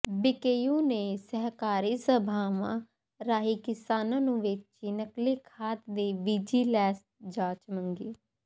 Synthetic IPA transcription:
bikeːjuːneːsəɦkaːɾiːsəbʱaːmã̰ː | ɾaːɦiːkɪsaːnãːnũːʋɪt͡ʃt͡ʃinəkliːkʰaːt̪d̪eːʋid͡ʒiːlɛːs | d͡ʒaːt͡ʃməŋɡiː

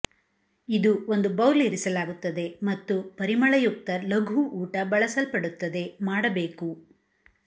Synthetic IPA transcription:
id̪uo̞nd̪ubɐwleːɾisɐlaːɡut̪ːɐd̪e̞mɐt̪ːupɐɾimɐɭɐjuk̚t̪ɐlɐɡʱuʔːʈɐbɐɭɐsɐlpɐɽut̪ːɐd̪e̞maːɽɐbe̞ːku

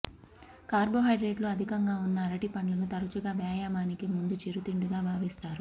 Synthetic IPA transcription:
kaːɾboːɦɐjɖɾeːɖluɐd̪ʱikɐŋɡaːunːɐːɾɐʈipɐɳlɐnut̪ɐɾut͡ʃuɡaːbjaːjaːmaːnikimund̪ut͡ʃeɾut̪iɳɖuɡaːbʱaːʋiːst̪aːɾu

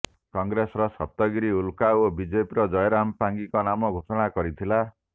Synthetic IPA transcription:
kɔŋɡɾesɾʌsʌp̚t̪ʌɡiɾiulkaobid͡ʒepiɾʌd͡ʒʌjɾampaŋɡikɔnamɔɡʱosɔɽ̃akʌɾit̪ʰila

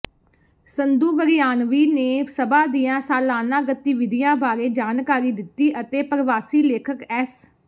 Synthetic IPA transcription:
sənd̪uːʋəɾɪjaːnʋiːneːsəbaːd̪iːjãːsaːlaːnãːɡət̪iːʋɪd̪ɪjãːbaːɾeːd͡ʒaːnkaːɾiːd̪ɪt̪ːiːʔət̪eːpəɾəʋaːsiːleːkʰəkɛːs

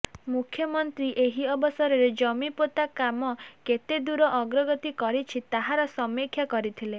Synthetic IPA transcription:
mukʰjɔmɔnt̪ɾiʔeɦiɔbɔsɔɾɔɾed͡ʒɔmipot̪akamɔket̪ed̪uɾɔʔɔɡɾɔɡɔt̪ikɔɾit͡ʃʰit̪aɦaɾɔsɔmikʰjakɔɾit̪ʰile

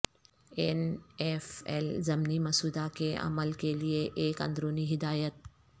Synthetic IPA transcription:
enefɛ̰lzɐmnimɐsuːd̪akeʔɐ̰məlkelieʔeːkɐ̰̃nd̪ɾoːniɦɪd̪aːjət̪̚

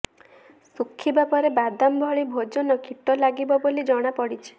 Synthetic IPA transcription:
sukʰːibapɔɾebad̪ambʱɔɭibʱod͡ʒɔnɔkʰiʈɔlaɡibɔbolid͡ʒɔɽ̃apɔɽit͡ʃʰi̥

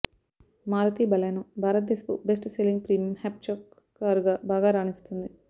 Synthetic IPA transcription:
maːɾɐt̪iːbɐlɐjnubʱaːɾɐt̪̚d̪esɐ̥pṵbesʈseliŋɡpɾiːmhep̚t͡ʃokː | aːɾuɡaːbaːɡaːɾaːnist̪und̪i

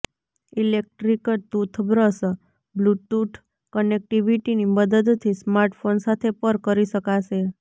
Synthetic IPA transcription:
ilek̚ʈɾikət̪ut̪ʰbɾəs | blutuʈʰ | kənek̚ʈiʋiʈiniməd̪əd̪t̪ʰismaɾʈfonsat̪ʰepəɾkəɾiʃəkaʃe

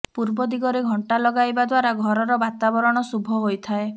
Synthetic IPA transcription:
puɾbɔd̪iɡɔɾeɡʱɔɳʈalɔɡajbad̪waɾaɡʱɔɾɔɾɔbat̪abɔɾɔɽ̃ɔsubʱɔɦojt̪ʰae

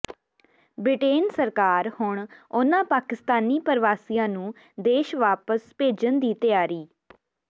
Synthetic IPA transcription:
bɾɪʈeːnsəɾkaːɾhʊɳʊnãːpaːkɪst̪aːniːpəɾʋaːsijãːnũː | d̪eːʃʋaːpəspeːd͡ʒənd̪iːt̪ɪjaːɾiː

